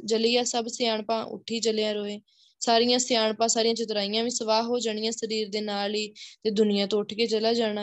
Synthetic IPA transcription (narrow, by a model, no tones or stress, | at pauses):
d͡ʒəliːaːsəbsjaːɳpãːʔʊ̰ʈʰːiːt͡ʃəleːãːɾoːeː | saːɾɪjãːsjaːɳpãːsaːɾijãːt͡ʃɪt̪ɾaːɪjãːʋĩːsəʋaːɦoːd͡ʒaɳ̃ɪjãːsəɾiːɾd̪eːnaːliːt̪eːd̪ʊnɪjãːt̪õːʊʈʰkeːt͡ʃəlaːd͡ʒaːɽ̃aː